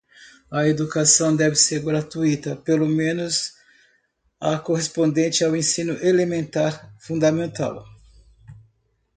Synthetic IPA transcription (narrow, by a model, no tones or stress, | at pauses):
ɐed̪ukasɐ̃w̃d̪ɛvɪseɾɡɾat̪uit̪ɐpelomẽnʊz | ɐkoɦespõnd̪ẽnt͡ʃɪawẽsĩnʊʔelemẽnt̪aɾfũnd̪ɐmẽnt̪a̰w